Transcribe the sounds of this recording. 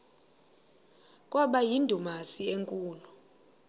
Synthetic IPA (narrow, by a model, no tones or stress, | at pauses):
kʼwaɓajindʱumasieŋkʼuːlɔ